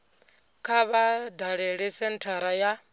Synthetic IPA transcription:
kʰaβadaɺɛɺɛsɛn̩tʰaɾaja

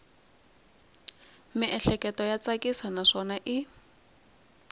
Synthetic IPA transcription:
mɪʔɛɬɛkɛtɔjat͡sakʼisanaʂɔnaʔi

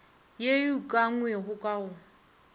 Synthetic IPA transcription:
jejukʼaŋwɛɦʊkʼaʊ

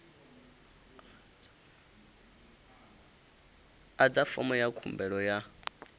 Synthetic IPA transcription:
ad͡zafɔ̰mɔjakʰumbɛɺɔja

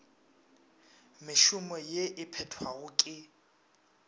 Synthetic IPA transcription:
mɪʃʊmɔjeʔɪpʰɛtʰwaɣʊkʼɪ

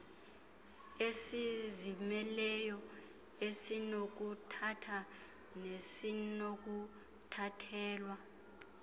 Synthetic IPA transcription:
esizimɛlɛjɔ | esinok̬utʰatʰa | nesinok̬u | tʰatʰɛːlwa

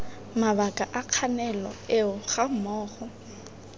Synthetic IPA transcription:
maβakʼaʔaq͡χʰanɛlɔ̰eʊɣam̩mɔːχɔ

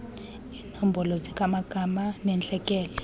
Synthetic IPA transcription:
iːnɔm̩bʱɔlɔzikʼamaɡ̥ʱamanɛnt͡ɬʼɛkʼɛːlɛ

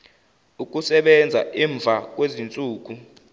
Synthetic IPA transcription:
uk̬ʼusɛɓɛnd͡zʱa̰ʔiːɱb̪vʱak̬ʼwezint͡sʼuːk̬u

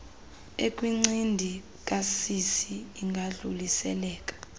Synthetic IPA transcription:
ekʼwiŋ͡ǀindʱi | k̬ʼasisiːŋɡʱaɮulisɛ̰lɛːkʼḁ

